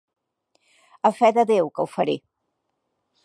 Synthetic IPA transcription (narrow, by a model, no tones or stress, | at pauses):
əfɛðəðewkəwfəɾi